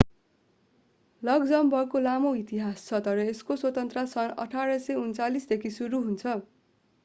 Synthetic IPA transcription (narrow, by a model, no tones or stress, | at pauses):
lʌɡd͡zʌmbʱʌkolamoit̪iɦast͡sʰʌt̪ʌɾʌeskoswʌt̪ʌnt̪rasʌnʌ̰ʈʰaɾʌsʌjunt͡salisd̪ekʰisuɾuɦunt͡sʰʌ